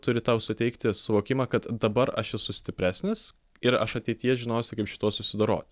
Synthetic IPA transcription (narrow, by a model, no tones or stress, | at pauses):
t̪ʊɾʲɪt̪ɐʊsʊt̪ʲɛɪkt̪ʲɪsʊʋoːkʲɪmɐːkɐt̪d̪ɐbɐɾɐʃɛsʊsʲt̪ʲɪpʲɾʲæːsʲnʲɪs | ɪɾɐʃɐt̪ʲɛɪt̪ʲijɛʒʲɪnoːsʲɪkɐɪpʃʲɪ̥t̪uɔsʊsʲɪd̪ɐɾo̰ːt̪ʲ